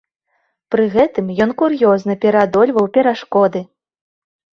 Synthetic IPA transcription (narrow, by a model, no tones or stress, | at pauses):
pɾɨɣɛt̪ɨmjɔnkuɾjɔznɐpʲɛɾad̪ɔlʲvɐwpʲɛɾaʂkɔd̪ɨ